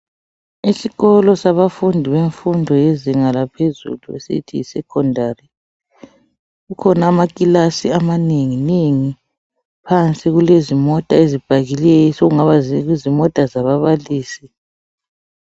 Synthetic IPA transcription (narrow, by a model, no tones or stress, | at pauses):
isiɣɔlɔsaβafundʱiβeɱfundʱɔjeziŋalapʰezṵluḛsḭtʰiisɛkʰɔndʱari | ɣukʰɔnaːmakʼilasiamaneŋineŋi | pʰant͡sʼiɣulezimɔtʼaezib̥ʱaɣilɛjɔsoɣuŋaβazɣizimɔtʼazaβaβaliːsi